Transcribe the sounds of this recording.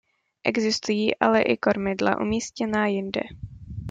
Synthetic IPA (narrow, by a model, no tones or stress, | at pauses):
ʔɛɡzɪst̪ujiːʔalɛʔɪko̞ɾmɪdla̰ʔṵmiːscɛnaːjɪndɛ̰